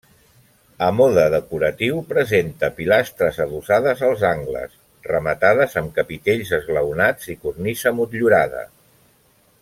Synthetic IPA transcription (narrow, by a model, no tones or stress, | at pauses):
əmɔðəðəkuɾət̪iwpɾəzent̪əpilast̪ɾəzəðusaðəzəlˠzaŋɡlə̰s | rəmət̪aðəzəmkəpit̪eʎzəzɣləwnad͡zikurnisəmut̪ʎuɾaðə̰